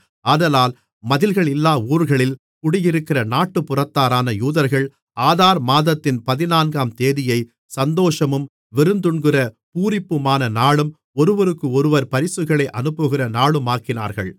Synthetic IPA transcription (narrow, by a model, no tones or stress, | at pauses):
aːðɐlaːl | mɐðɪlɣɐɭɪlːaːuːɾɣɐɭɪl | kʊɽɪjɪɾɯkːɪrɐnaːʈːɯpːʊrɐt̪ːaːɾaːnɐjuːðɐɾɣɐɭ | aːðaːɾmaːðɐt̪ːɪnpɐðɪnaːnɡaːmt̪eːðɪjɐɪ | sɐnd̪oːʂɐmɯm | ʋɪɾɯnd̪ɯɳɡɪrɐ | puːɾɪpːɯmaːnɐnaːɭɯm | ɔɾɯʋɐɾɯkːɯɔɾɯʋɐɾpɐɾɪsɯɣɐɭɐɪʔɐnɯpːɯɣɪrɐnaːɭɯmaːkɪna̰ːɾɣɐ̰ɭ